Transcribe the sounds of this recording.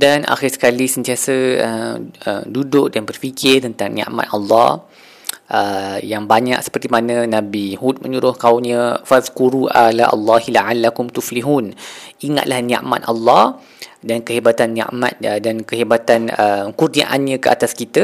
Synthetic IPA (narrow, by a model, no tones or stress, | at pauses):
danʔa̰xirsə̥kalisənt̪iasəəəmdudʊʔ̚danbərfikʰɪrt̪ənt̪aŋnia̰ʔma̰t̪alːɑ | ʔəjaŋbaɲa̰k̚sə̥pərt̪imanə̃nãbihut̪̚mə̃ɲuɾʊhkaumɲə̃faðkuɾuʔalaʔa̰lːɑɦilaʕalːakʊmt̪ufliɦuniŋa̰t̪̚lahnia̰ʔma̰t̪̚ʔalːɑh | dankəɦebat̪anːia̰ʔma̰t̪̚dankəɦebat̪anəmkurnia̰ʔanɲə̃kəʔa̰t̪askit̪ə